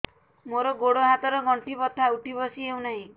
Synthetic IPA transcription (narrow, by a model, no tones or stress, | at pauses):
moɾɔɡoɽoɦat̪ɔɾɔɡʱɔɳʈipɔt̪ʰːauʈibɔsiew̃naɦĩ